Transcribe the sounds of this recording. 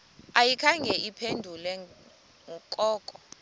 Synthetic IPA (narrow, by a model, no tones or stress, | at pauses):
ajikʰaŋɡʱɛʔipʰendʱulɛ | kʼɔːkʼɔ